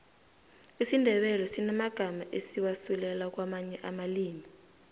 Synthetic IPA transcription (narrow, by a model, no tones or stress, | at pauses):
isindʱɛɓɛlɔsinamaɡ̥ʱamaʔesiwasulɛlak̬wamaɲɛʔamaliːmi